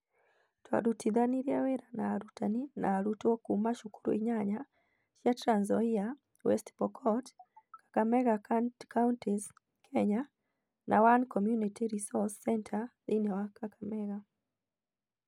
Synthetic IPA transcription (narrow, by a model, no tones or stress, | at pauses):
twa̰ɾutiðaniɾjawɛɾanaːɾutanina̰ːɾutɔkumaʃukuɾṵiɲaɲa | ʃjatɾanzɔia | wɛstpɔkʰɔtkḁkamɛɣakʰawntʰiz | kʰɛɲa | nʔawankɔmjunitʰiɾisɔsːɛntʰaðinɛwakakamɛɣa